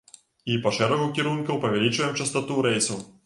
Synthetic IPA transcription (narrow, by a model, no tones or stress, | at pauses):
ipɐʂɛɾɐɣʊkʲiɾunkʊpɐvʲɛlʲit͡ʃvjɛmt͡ʃɐst̪ɐt̪uɾɛjsu